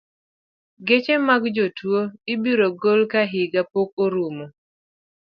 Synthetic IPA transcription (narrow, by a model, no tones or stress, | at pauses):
ɡet͡ʃemaɡd͡ʒotwoɪbiɾoɡolkaɦɪɡapok̚oɾumo